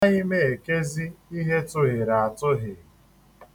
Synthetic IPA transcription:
a˦i˦me˦˨e˨ke˦zi˦i˦ɦe˦tʊ˦ɦɪ˨ɾa˨a˨tʊ˦ɦɪ˨

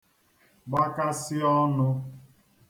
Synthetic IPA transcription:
ɡ͡ba˦ka˦sɪ˦ɔ˦nʊ˦

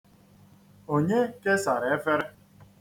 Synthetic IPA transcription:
o˦ɲe˦ke˦sa˨ɾe˨e˦fe˦ɾe˦

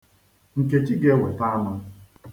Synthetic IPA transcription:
ŋ̩˨ke˨t͡ʃi˦ɡe˦we˨ta˦ma˦

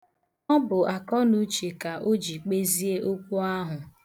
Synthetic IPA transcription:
ɔ˦bʊ˨a˨kɔ˦nu˦t͡ʃi˨ka˨ʔo˦d͡ʒi˨k͡pe˦zi˦e˦ʔo˦kʷu˦a˦ɦʊ˨

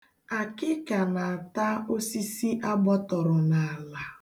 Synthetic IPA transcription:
a˨kɪ˦ka˨na˨a˨ta˦o˦si˦si˦ʔa˦ɡ͡bɔ˦tɔ˨ɾʊ˨na˨a˨la˨

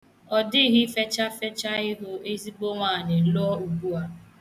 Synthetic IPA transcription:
ɔ˨dɪ˦ɦɪ˦fe˦t͡ʃa˦fe˦t͡ʃa˦ɪ˦ɦʊ˦e˦zi˦bo˦ŋʷa˨nɪ˨lʊ˦ɔ˦u˨ɡu˦a˦

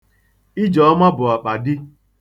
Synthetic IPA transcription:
i˦d͡ʒɔ˨˦ma˦bʊ˨a˨k͡pa˨dɪ˦

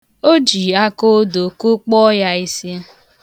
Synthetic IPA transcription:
o˦d͡ʒi˨a˦ko˦do˨ku˦k͡pɔ˦ja˦i˦si˦

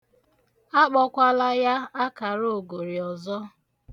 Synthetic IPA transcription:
a˦k͡pɔ˦kʷa˦la˦ja˦a˦ka˨ɾo˦˨o˨ɡo˨ɾi˨ɔ˨zɔ˦

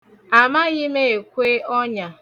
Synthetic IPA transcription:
a˨ma˦ɣɪ˦me˦e˨kʷe˦ɔ˦ɲa˨

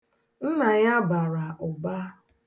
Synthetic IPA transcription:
n̩˦na˨ɲa˦ba˨ɾa˨ʔʊ˨ba˦

